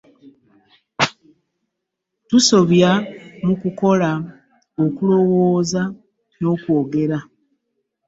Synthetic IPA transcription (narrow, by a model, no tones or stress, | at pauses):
tuso̞βjamukuko̞la | okulo̞woːza | no̞ːkwo̞ːɡe̞ɾa